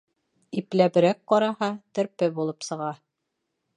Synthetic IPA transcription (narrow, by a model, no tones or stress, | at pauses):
iplæβɘ̆ɾæk̚qɑɾɑhɑt̪ɘ̆ɾpɘbulˠɤpsɤ̆ʁɑ